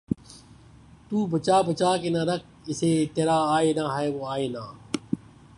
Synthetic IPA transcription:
t̪uːbʱət͡ʃaːbət͡ʃaːkenaːɾək̚ | ɪseːt̪eːɾaːaːeːnãːɦɛːʋoːaːeːnaː

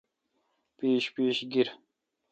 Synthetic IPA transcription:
piːʃpiːʃɡiɾ

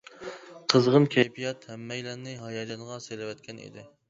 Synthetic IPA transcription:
qʰəzʁənkʲʰɛbʰijɑt̪hɛmːɛjlænɪɦɑjɑd͡ʒɑnʁɑselɪwɛt̪̚kʲʰɛnḭd̪ɪ

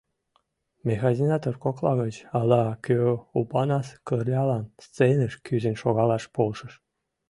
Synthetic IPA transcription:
mʲexɑzʲinɑt̪orkoklˠɑɣət͡ɕɑlˠɑkʲøupɑnɑskərlʲɑlˠɑnst͡senə̆ʃkyzenʃoɣɑlɑʃpolʃə̆ʃ

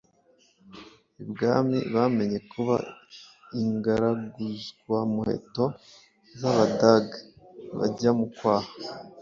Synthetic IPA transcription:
ibɡaːmḭβame̞ɲe̞kʰuβa̰ | iŋɡaɾaɡuzɡwamuhe̞̰to̞ | zaβadaɡ | βa̰ɟamukwaːhḁ

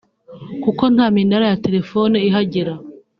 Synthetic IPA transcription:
kuko̞n̥haːminaɾajate̞ɾe̞fo̞neiɦaɟiɾa

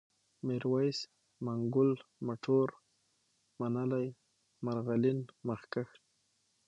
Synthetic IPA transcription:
mɪɾwajs | maŋɡʊlmaʈʰoɾ | manalaj | maɾɣalɪnmaxkax

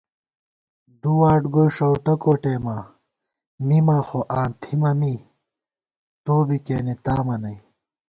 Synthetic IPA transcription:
d̪uwaːʈɡojʂɐwʈɐkoːʈeːma | mimaxoʔãːnt̪ʰimɐmi | t̪oːbikeːnit̪aːmɐnɐj

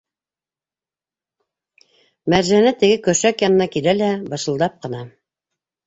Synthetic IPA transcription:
mæɾʒæænæt̪ɘ̆ɡɘkɵ̆ʃækjɑnɤ̆nɑkilælæbɤ̆ʃɤ̆lˠd̪ɑp̚qɤ̆nɑ

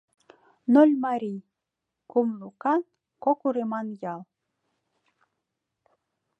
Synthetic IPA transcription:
nolʲmɑɾʲij | kumlukɑn | kokuɾemɑnjɑlˠ

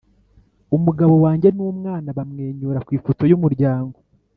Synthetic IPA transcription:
umuɡaβo̞waːɲɟe̞nuːmŋaːnaβamŋeːɲuːɾakwiːfuto̞jumuɾɟaːŋɡo̞

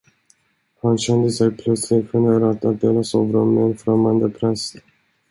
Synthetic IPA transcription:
hanɕɛnd̪əsɛjpʰlœt̪slɪɡ̪ɧɛneːɾat̪at̪̚d̪eːlasɔvɾɔmmːɛːnfɾamːand̪əpʰɾɛs

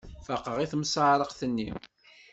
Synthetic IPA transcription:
fəqːəʁiθmsəʕɾˤəqθənːḭm

